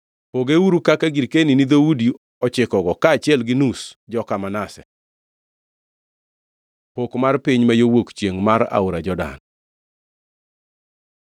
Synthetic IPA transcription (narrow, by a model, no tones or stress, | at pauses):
poɡeuɾukakaɡiɾkeninid̪oudi | ɔt͡ʃɪkɔɡɔkaːt͡ʃɪɛlɡɪnusd͡ʒɔkamanasɛ̰ | pokmarpiɲmajowokt͡ʃjeŋmaɾa̰ʊɾad͡ʒɔda̰n